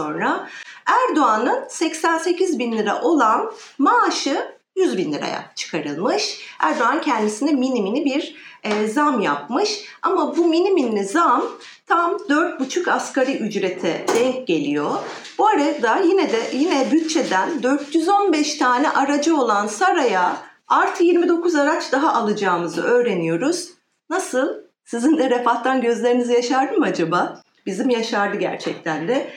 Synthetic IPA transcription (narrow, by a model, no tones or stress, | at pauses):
o̞nɾaæɾd̪o̞anɯnsɛcsænsecʰizbinlʲiɾa̰ʔo̞lˠanmaːʃɯ | jyzbinlʲiɾa̰ja̰t͡ʃʰɯ̥kʰaɾɯlˠmɯʃæɾd̪oanɯncʰɛnd̪isinɛminiminibiɾːzamjap̚mɯʃa̰mabuminiminʲizam | t̪ʰamd̪øɾt̪̚but͡ʃʰukaskaɾiʔyd͡ʒɾe̞t̪ʰɛd̪ɛɟe̞lʲijo̞b̥uaɾajad̪ajinɛd̪ɛjinɛbyt̪̚t͡ʃʰed̪ænd̪øɾt̪ʰjyzo̞nbɛʃt̪ʰaːnɛʔaɾad͡ʒɯo̞lˠansaɾaja | aɾt̪ʰɯjiɾmid̪o̞kʰuzaɾat͡ʃd̪aɦaʔalˠɯd͡ʒaːmɯzɯ̰ʔø̞ːɾe̞nijo̞ɾuz̥ | nasɯlˠ | sizind̪ɛɾefaht̪ʰːanɟøzlʲe̞ɾinizijaʃaɾd̪ɯmad͡ʒaba | b̥izimjaʃaɾd̪ɯɟæ̰ɾt͡ʃʰɛc̚t̪ʰænd̪ɛ